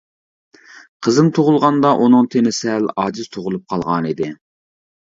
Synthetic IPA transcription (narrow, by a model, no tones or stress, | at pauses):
qʰəzɨmt̪ʰoʁʊlˠʁɑnd̪ɑʔunɨŋt̪ʰenɪsɪælɑːd͡ʒɪz̥t̪ʰoʁʊlˠup̚qʰɑlˠʁɑ̰nid̪ɪ